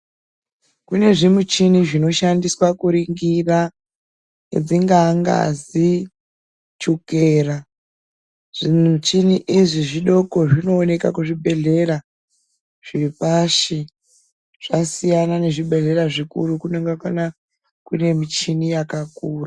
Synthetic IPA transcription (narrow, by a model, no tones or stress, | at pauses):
kune̞ʐimut͡ʃiniʐino̞ʃandiswakuɾiŋɡira | ed͡ziŋɡaŋɡa̰zi | t͡ʃukeːra | ʐ̥iut͡ʃiniʔiʐiʐiɗo̞ko̞ʐino̞ːne̞ka̰kuʐiɓe̞ɮe̞ɾa | ʐ̥iipaʃi | ʐ̥asijanane̞ʐiɓe̞ɮe̞ɾaʐikurukuneŋɡakwana | kune̞mit͡ʃinijakakuːra